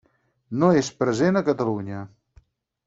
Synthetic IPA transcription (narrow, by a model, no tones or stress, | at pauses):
noespɾəzenəkət̪əluɲə